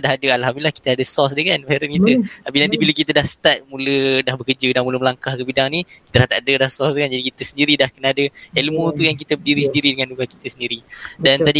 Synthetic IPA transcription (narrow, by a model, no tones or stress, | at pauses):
daɦadəalɦamilahki̥t̪əadəsɔs̬dəkanfeɾənkit̪əapinãnt̪ibiləkit̪ədahsə̥t̪at̪̚mulədahbəkəd͡ʒədanmuləməlaŋkahkəbidaŋnikit̪əɾaht̪aʔdədahsɔsdkand͡ʒadikit̪əsəndiɾidahkənaadəelmut̪ujaŋk̬it̪əbədiɾisəndiɾidəŋanduɡaki̥t̪əsəndiɾidant̪adi